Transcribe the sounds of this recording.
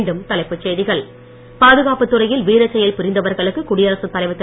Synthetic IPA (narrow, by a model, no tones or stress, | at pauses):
ɳɖɯmt̪ɐlɐɪpːɯt͡ʃːeːðɪɣɐɭ | paːðɯɣaːpɯt̪ːɯrɐjɪlʋiːɾɐt͡ʃːɐjɐlpʊɾɪnd̪ɐʋɐɾɣɐɭɯkːɯkʊɽɪjɐɾɐsɯt̪ːɐlɐɪʋɐt̪ːɪ